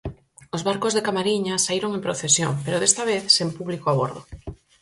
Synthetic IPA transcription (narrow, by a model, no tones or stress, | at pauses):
ozβaɾkozðekamaɾiɲasaiɾoŋẽmpɾoθesjo̰ŋpeɾoðest̪aβeθsempuβlikoaβ̞oɾðo̰